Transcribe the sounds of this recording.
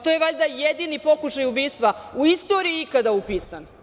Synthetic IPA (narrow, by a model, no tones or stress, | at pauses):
t̪ojeʋaʎʲd̪ajed̪inipo̞kuʃajubiːst̪ʋauist̪o̞ːɾiiikad̪aupiːsan